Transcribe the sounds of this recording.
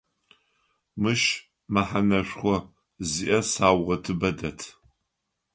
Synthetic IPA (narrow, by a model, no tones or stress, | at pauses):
mɨʃ | maħanɐʃʷχʷɔ | ziʔɐsaːwʁɐtʰɨbɐdɐtʰ